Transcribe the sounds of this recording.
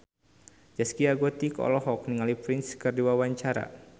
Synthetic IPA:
d͡ʒaskiaɡot̪ikɔ̰lɔɦɔk̚niŋalipɾɪnskɨrdiwawaɲt͡ʃaɾa̰

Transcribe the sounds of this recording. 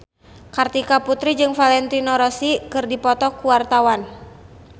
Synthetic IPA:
kart̪ikaput̪ɾid͡ʒɨŋfalɛnt̪inɔɾɔsikɨrdipɔt̪ɔkuwart̪awan

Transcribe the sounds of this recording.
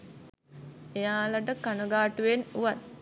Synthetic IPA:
ejaːləʈəkanuɡaːʈuʋenuʋat̪̚

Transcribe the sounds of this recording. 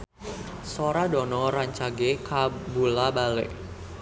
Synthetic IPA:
soɾadɔnɔɾaɲt͡ʃaɡekabulabalḛʔ

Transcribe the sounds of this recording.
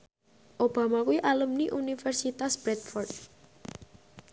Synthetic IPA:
ʔob̥a̤makuiʔaləmniʔunifɛrsit̪asb̥ɾɛt̪̚fɔrt̪̚

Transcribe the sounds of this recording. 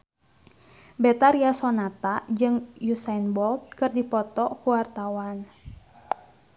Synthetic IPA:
bɛt̪aɾiasɔnat̪ad͡ʒɨŋjusainbɔlt̪̚kɨrdipɔt̪ɔkuwart̪awan

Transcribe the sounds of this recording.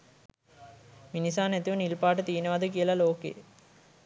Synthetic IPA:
minisaːnæt̪iʋənilpaːʈ̬ət̪iʋnəʋad̪ək̬ijəlɐloːkḛ

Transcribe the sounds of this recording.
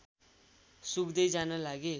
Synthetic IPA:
sukd̪ʌjd͡zanʌlaɡe

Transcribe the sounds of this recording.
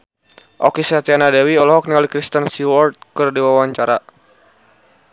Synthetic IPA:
ʔɔkisat̪ianadɛwiɔlɔɦɔk̚niŋalikɾist̪ənsiwɔrt̪̚kərdiwawaɲt͡ʃaɾa

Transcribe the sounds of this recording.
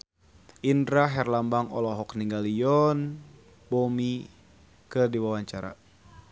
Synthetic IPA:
ʔindɾaɦɛrlambaŋɔ̰lɔɦɔkniŋɡaliɔn | bomi | kədiwawaɲt͡ʃaɾa̰

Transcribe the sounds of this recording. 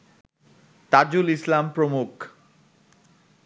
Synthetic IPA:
t̪ad͡ʑulislampɾomuk

